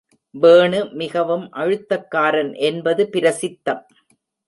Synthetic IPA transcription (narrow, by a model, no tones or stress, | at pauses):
ʋeːɳɯmɪɣɐʋɯmʔɐɻɯt̪ːɐkːaːɾɐnʔɛnbɐðɯpɪɾɐsɪt̪ːɐm